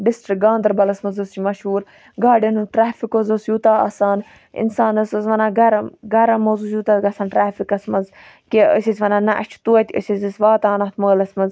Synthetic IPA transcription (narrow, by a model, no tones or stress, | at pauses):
ɖɪsʈɾik̚ɡãːnd̪ɐɾbɐlɐsmɐzost͡ʃimɐʃɦuːɾ | ɡaːɖɐnuʈɾaːfikozosjuːt̪aːɐ̰saːn | ḭnsaːnɐsɐzʋɐnaːɡɐɾɐɡɐɾɐmːozuːjuːt̪at̪ɡɐsaːnʈɾaːfikɐsmɐz | keə̰sʲisʲʋɐnaːnɐʔɐ̰t͡ʃʰu̥t̪uɐt̪ʲə̰sʲizʲɐsʋaːt̪aːnɐt̪ʰməːlɐsmɐz